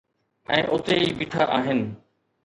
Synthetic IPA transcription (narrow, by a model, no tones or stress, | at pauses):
ɛ̰̃ːʔʊt̪eiːbɪʈʰaʔaːɦɪnɪ̆